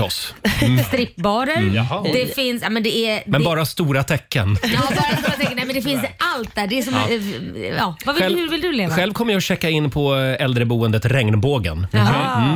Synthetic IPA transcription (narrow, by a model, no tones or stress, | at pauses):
ɔsst̪ɾɪpːbɑːɾəɦd̪ɛfɪnsjamɛnd̪ɛɛmɛnbɑːɾast̪uːɾat̪ʰɛkʰːənjɑːbɑːɾast̪uɾat̪ʰɛkːnɛmɛnd̪ɛfɪnsʔalt̪̚d̪æːɖɛːsɔm | ɑːvavɪɛlhɵvɪld̪ɵleːvaɧɛlvkʰɔmːəjaɕɛkːaɪnːpʰɔɛld̪ɾəbuːənd̪ət̪ɾɛŋnboːɡə̰n